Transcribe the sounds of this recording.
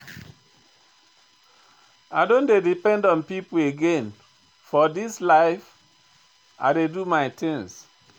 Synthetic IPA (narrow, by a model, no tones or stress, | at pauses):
aɪdõndedipɛ̃ndɔ̃npipueɡẽn | fɔdislaɪf | a̰ɪdedumaɪt̪ĩŋs